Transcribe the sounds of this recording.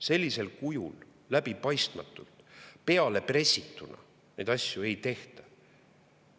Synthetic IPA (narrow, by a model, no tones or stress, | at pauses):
se̞lʲːise̞lkujulː | æb̥ipɑjst̪mɑ̰t̪ːˑult̪pe̞ɑle̞pre̞sʲːit̪ːˑunɑ̰ | ne̞jd̪ɑsʲjue̞jt̪e̞ht̪ɑ̥